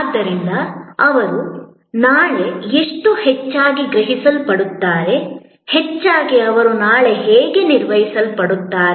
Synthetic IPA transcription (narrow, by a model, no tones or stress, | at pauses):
d̪ːɐɾind̪ɐɐʋɐɾu | naːɭe̞esʈuhet͡ʃːaːɡiɡɾɐɦisɐlpɐɽut̪ːaːɾe̞ | het͡ʃːaːɡiɐʋɐɾunaːɭe̞ɦeːɡeniɾʋɐjisɐlpɐɽut̪ːaːɾe